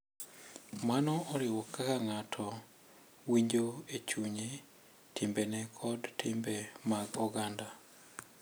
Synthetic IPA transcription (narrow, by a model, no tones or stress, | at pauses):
manɔʔɔɾɪwɔkːakaŋatʰɔ | wiɲd͡ʒoet͡ʃuɲe | tʰimbenɛkʰɔdtʰɪmbemaɡɔɡanda